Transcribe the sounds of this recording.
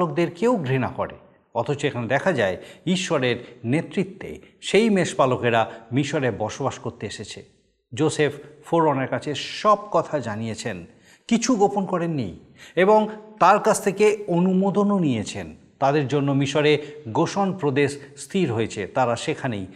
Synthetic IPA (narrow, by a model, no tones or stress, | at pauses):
ok̚d̪eɾkewɡɾina̰kɔ̰ɾḛ | ɔt̪ʰot͡ɕoekʰaned̪ɛkʰad͡ʑaeiʃːoɾeɾnet̪ɾit̪ːḛʃejmeʃpalokeɾamiʃoɾebɔʃobaʃkoɾt̪eeʃet͡ɕʰḛ | d͡ʑoseffoɾoneɾkat͡ɕʰeʃɔb̚kɔt̪ʰad͡ʑanijet͡ɕʰen | kit͡ɕʰuɡoponkɔɾenːḭj | eboŋt̪aɾkat͡ɕʰt̪ʰekeonumod̪ononijet͡ɕʰen | t̪ad̪eɾd͡ʑonːomiʃoɾeɡoʃonpɾod̪eʃst̪ʰiɾɦojet͡ɕʰet̪aɾaʃekʰanej